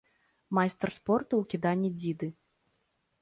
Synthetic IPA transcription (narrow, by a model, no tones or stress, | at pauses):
majst̪ɛrspɔrt̪uwkʲid̪anʲːid͡zʲid̪ɨ